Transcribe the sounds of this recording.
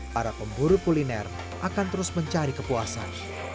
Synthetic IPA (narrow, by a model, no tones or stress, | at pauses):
paɾapəmbuɾʊpulinɛr | ʔakant̪əɾʊsməɲt͡ʃaɾikəpuasa̰n